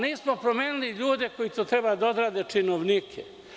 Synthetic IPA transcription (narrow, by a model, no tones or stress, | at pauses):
niːsmo̞pɾomeːnuliʎuːd̪e̞ko̞jit̪oːt̪ɾe̞baːd̪aod̪ɾaːd̪e̞t͡ʂinoʋnikʰḛ